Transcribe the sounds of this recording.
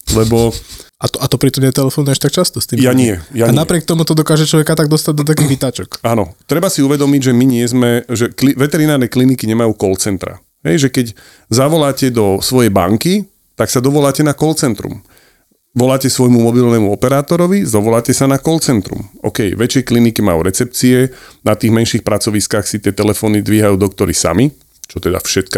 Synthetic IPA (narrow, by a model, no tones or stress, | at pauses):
lɛbɔʔat̪ɔat̪ɔpɾit̪ɔmɲɛt̪ɛlɛfɔnʊaʃt̪ak̚t͡ʃast̪ɔst̪iːmjaɲɪɛjaɲaɪnapɾɪɛk̚t̪ɔmut̪ɔd̪ɔkaːʒɛt͡ʃlɔʋɛkat̪aɡ̚d̪ɔst̪aɟ̚d̪ɔt̪̬akiːɣʋit̪aːt͡ʃɔkaːnɔ̰t̪ɾɛbasiuʋɛd̪ɔmiɟʒɛmiɲɪɛzmɛʒɛkliʋɛt̪ɛɾinaːɾnɛklinikiɲɛmajuːkɔlt͡sɛnt̪ɾa̰ | ɦɛ̰jʒɛkɛc | zaʋɔlaːcɛd̪ɔsʋɔjɛjba̰ŋki | t̪aksad̪ɔʋɔlaːcɛnakɔlt͡sɛnt̪ɾṵm | ʋɔlaːcɛsʋɔjmumɔbilnɛmuɔpɛɾaːt̪ɔɾɔʋizɔʋɔlaːcɛsanakɔlt͡sɛnt̪ɾṵmɔ̰kɛjʋɛt͡ʃjɛjklinikimajṵːɾɛt͡sɛp̚t͡siɛnat̪iːɣmɛnʃixpɾat͡sɔʋiskaxsit̪ɪɛt̪ɛlɛfɔːnid̪ʋiɦajuːd̪ɔkt̪ɔɾḭsa̰mi | t͡ʃɔt̪ɛd̪a̰fʃɛt̪k